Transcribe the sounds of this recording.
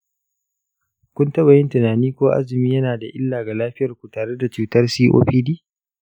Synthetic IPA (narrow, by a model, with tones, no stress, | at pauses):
kʷʊ˦ntɐ˦βa˨jɪ˦ntɪ˨naː˨niː˦kʷoː˦ʔa̰˦zɪ˨miː˦jɐ˦naː˨da˨ʔɪ˦lːaː˨ɡa˨laː˦ɸɪ˦jɐ˨rkʷu˨taː˨ɽe˦da˨t͡ʃuː˨tɐ˦rsiː˦ʔo̰ː˦ɸiː˦diː˦